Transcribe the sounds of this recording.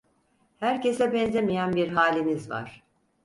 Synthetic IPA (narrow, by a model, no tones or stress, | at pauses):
hæɾce̞sɛbɛnzemijænbiɾɦaːlʲinizva̰ɾ̥